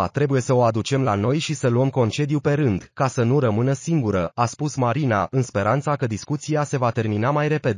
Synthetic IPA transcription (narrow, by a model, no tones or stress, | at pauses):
t̪ɾe̞buje̞səo̞ad̪ut͡ʃe̞mlano̞jʃisəluəmko̞nt͡ʃe̞d̪jupe̞ɾɨnd̪kasənuɾəmɨnəsiŋɡuɾəaspusmaɾina̰ʔɨnspe̞ɾʔant̪sakəd̪iskut̪sijase̞vat̪e̞rminamajɾe̞pe̞d̪